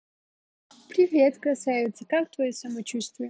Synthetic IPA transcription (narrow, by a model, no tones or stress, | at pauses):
pɾʲivʲet̪kɐsajɪt̪sːəkak̚t̪vɐjosɐmɐt͡ɕust̪vjɛ